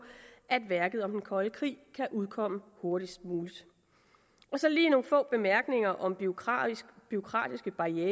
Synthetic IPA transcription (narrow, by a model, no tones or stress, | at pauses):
ʔæd̥ʋæɐɡ̥ð̞ˠɒ̽md̥enkʰɒ̽ləkʰʁḭːkʰæʔuð̞ˠkʰɒ̽m̰əho̝ɐɾ̥isd̥̚muːlid̥ | ʔɒ̽sɒ̽liːno̝ːn̩fɔ̰̽ːb̥e̝mæɐɡ̥ne̝ŋɐʔɒ̽m | b̥yo̝kʰʁɑ̰̈ːd̥isɡ̥əb̥ɑ̈eː